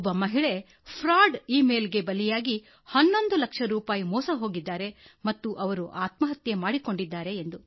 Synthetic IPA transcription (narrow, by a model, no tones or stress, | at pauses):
bːɐmɐɦiɭe̞ | pʰɾaːɖiːme̞ːlɡe̞bɐlijaːɡi | hɐnːo̞nd̪ulɐkʂɐɾuːpaːjimɔːsɐɦo̞ːɡid̪ːaːɾe̞mɐt̪ːuʔɐʋɐɾuʔaːt̪mɐɦɐt̪jemaːɽiko̞ɳɖid̪ːaːɾe̞ːnd̪u